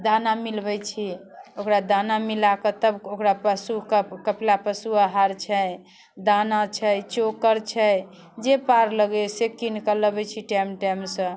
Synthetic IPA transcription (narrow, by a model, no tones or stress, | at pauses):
d̪anamilbɛjt͡ʃʰiokɾad̪anamilakət̪əbokɾapəsukəkəplapəsuaɦaɾt͡ʃʰəj | d̪anat͡ʃʰəjt͡ʃokəɾt͡ʃʰəj | d͡ʒepaɾləɡesekinkələbɛt͡ʃʰiʈamʈajmsə̃